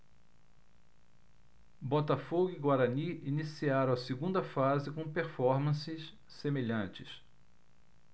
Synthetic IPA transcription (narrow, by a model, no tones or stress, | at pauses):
bɔt̪afoɡʊiɡwaɾɐniinisiaɾɐ̃ɐsɪɡũnd̪ɐfazɪkõpeɾfɔɾmɐ̃sɪs | semeʎɐ̃t͡ʃɪs